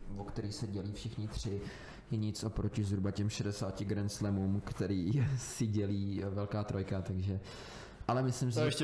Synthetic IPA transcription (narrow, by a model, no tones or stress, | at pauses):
vokt̪ɛɾiːxsɛɟɛliːfʃɪxɲɪt̪r̝̥ɪ | jɛɲɪt͡sʔo̞pɾo̞cɪzɦɾubacɛmʃɛdɛsaːcɪɡɾɛnslɛmumkt̪ɛɾiːsɪɟɛliːvɛlkaːt̪ɾojkat̪aɡʒɛ | ʔalɛmɪslɪmsɪɛʃ